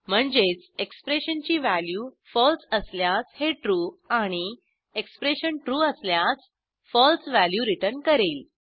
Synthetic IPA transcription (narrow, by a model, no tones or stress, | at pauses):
m̤əɳd͡zet͡sekspɾeɕənt͡ɕiːʋæljuːfɔlsəsljat͡sheʈɾuːaɽ̃i | ekspɾeɕənʈɾuːəsljat͡s | fɔlsʋæljuɾiʈəɾnkəɾeːl